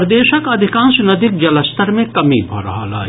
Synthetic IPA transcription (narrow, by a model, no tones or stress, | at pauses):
ɾd̪eːʃəkɐd̪ʱɪkãːnsnɐd̪ɪk̚d͡ʒɐləst̪ʰəɾmẽkɐmibʱɐ̰ɾɐ̰ɦa̰la̰ː